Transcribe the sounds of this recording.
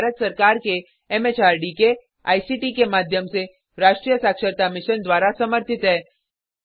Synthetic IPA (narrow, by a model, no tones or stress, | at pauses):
ɾət̪sɐɾkaːɾke | ɛmeːt͡ʃaːɾɖike | a̰ːisiːʈikemaːd̪ʱjəmse | ɾaːʃʈɾijəsaːkʃəɾt̪amɪʃənd̪waːɾasɐməɾt̪ʰɪt̪ɦɛː